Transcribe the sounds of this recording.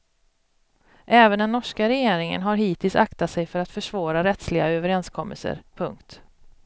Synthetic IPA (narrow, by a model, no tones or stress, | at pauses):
ʔɛːvənd̪ɛnːɔʂkaɾɛjeːɾɪŋə̰nɦaɾɦiːt̪ʰɪlsakt̪at̪sɛjfœɾat̪fœʂvɑːɾaɾɛt̪slɪɡa̰øːvəɾɛnskʰɔmːəlsə̰ɾpʰɵŋkt̪